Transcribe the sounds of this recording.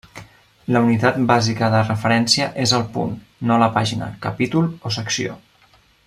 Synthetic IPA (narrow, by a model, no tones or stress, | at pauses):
ləunit̪at̪̚bazikəðərəfəɾɛnsiəʔezəlˠpṵnː | oləpaʒinə̰kəpit̪ulˠosəksio̰